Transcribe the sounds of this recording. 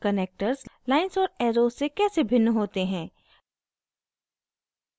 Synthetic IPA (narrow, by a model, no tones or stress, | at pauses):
kəneːk̚ʈəɾzlaːɪnsɔːɾɛːɾoːzsːekɛːsebʱɪnːɦoːt̪eɦɛ̃ː